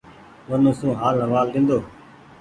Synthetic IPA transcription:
ʋənõːsũːɦaːlɦəʋaːld̪ɪ̃ːnd̪oː

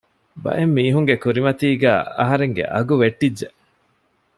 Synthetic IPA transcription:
bɐ̰ʔemːiːɦuŋɡekuɾimɐt̪iːɡæːɐɦɐɾeŋɡḛʔɐ̰ɡuʋeʈːid͡ʒːeʔ

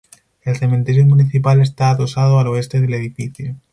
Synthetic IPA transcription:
e̞lθe̞mẽnt̪e̞ɾjomuniθipale̞st̪aːðo̞sað̞oaloe̞st̪eðe̞leð̞ifiθjo

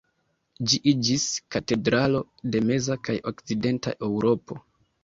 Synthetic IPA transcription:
d͡ʒiʔid͡ʒiskate̞dɾalo̞ | de̞me̞zakajo̞kt͡side̞nta̰ʔe̞wɾo̞po̞̰

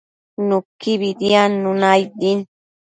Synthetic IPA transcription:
nʊkiβid̪ianːʊnajd̪in

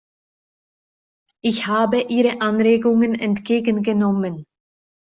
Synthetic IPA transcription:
ʔɪçhaːbəʔiːʁəʔanʁeːɡʊŋənɛ̰ntɡ̥eːɡən̩ɡənɔmən

